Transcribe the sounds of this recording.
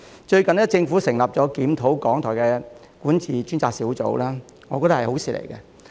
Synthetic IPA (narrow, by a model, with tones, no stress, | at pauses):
t͡ʃɵ˧ɥkɐ˨njɐ˥t͡sɪ˧ŋfuː˨˥sɪ˨˩ŋlɐ˨p̚t͡ʃɔː˨˥kiː˨˥mt̪ʰo˨˥wkɔː˨˥ŋt̪ʰɔː˨˩kɛː˧ | kuː˨˥nt͡sʰiː˨t͡ʃyː˥nt͡saː˧ksiː˨˥wt͡so̰˨˥wlaː˥ | ŋɔː˨˧kɔː˧t̪ɐ˥hɐ˨jho˨˥wsiː˨lḛ˨˩jkɛ˧